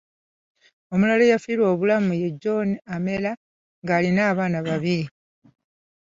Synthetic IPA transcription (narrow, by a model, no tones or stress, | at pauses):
o̞mulalejafiɾwo̞ːβulamuje̞ɟːo̞name̞la | ŋɡaːlinaːβaːnaβaβiɾi